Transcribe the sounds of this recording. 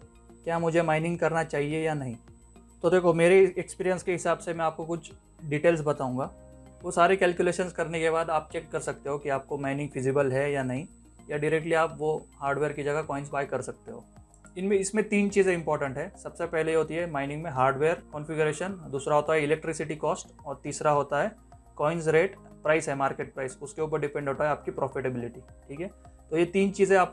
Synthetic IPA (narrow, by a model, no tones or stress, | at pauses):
kjaːmʊd͡ʒʱemãːɪnɪ̃ŋɡ̚kɐɾnat͡ʃaːɦiejanɐɦĩ | t̪od̪eːkʰomeːɾeekspiːɾijə̃nskeɦɪsaːbsemɛ̃aːp̚kokʊt͡ʃʰ | ɖiːʈeːlsbɐt̪aːũːŋɡaː | ʋosaːɾekɛːlkjuleːʃənskɐɾnekeβaːd̪aːp̚t͡ʃek̚kɐɾsɐk̚t̪eɦokiaːp̚komaːɪnɪ̃ŋɡfɪzɪbəlɦɛjanɐɦĩ | jaɖɪɾɛk̚ʈliaːpʋohaːɾɖʋeːɾkid͡ʒɐɡakɔːɪ̃nsbaːɪkɐɾsɐk̚t̪eɦo̰ː | ɪnmẽɪsmẽt̪iːnt͡ʃiːzẽɪ̃mpɔːɾʈə̃ɳʈɦɛ̃ːsɐbsepɛɦlejɦoːt̪iɦɛmãːɪnɪ̃ŋɡmẽɦaːɾɖʋeːəɾkɔ̃nfɪɡʊɾeːʃənd̪uːsɾaɦoːt̪aɦɛɪlɛk̚ʈɾɪsɪʈikɔːsʈ | ɔːɾt̪iːsɾaɦoːt̪aɦɛː | kɔːɪnzɾeːʈpɾaːɪsɦɛmaːɾkeːʈ̚pɾaːɪsʊskeuːp̬əɾɖɪpɛ̃ɳɖɦoːt̪aɦɛaːp̚kipɾɔːfɪʈebɪlɪʈiʈʰiːkɦɛːt̪ojet̪iːnt͡ʃiːzẽaːp̚